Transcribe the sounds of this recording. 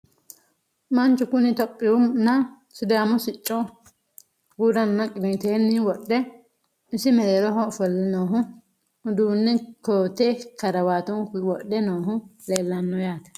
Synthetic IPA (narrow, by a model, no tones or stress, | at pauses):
mɐnt͡ʃʊkʊnɪt̪ɔpʼːɪʊmnɐ | sʊd̪aːmʊsɪt͡ʃʼːɔ | ɡuɾɐnːɐkʼɪd̪ɪt̪eːnːɪwɔɗːɛ | ɪsɪmɛleːlɔɦɔfɔlːɛnoːɦʊ | ʊd̪uːnːɛkoːt̪ekɐɾɐwaːt̪ʊŋwɔɗːɛnoːɦʊleːlːɐnːɔjaːt̪ɐ̥